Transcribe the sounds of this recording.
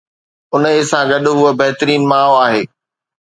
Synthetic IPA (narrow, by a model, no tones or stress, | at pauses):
ʊnsãɡɐɗʊɦʊəbɐɦt̪əɾiːnmaːoaːɦeː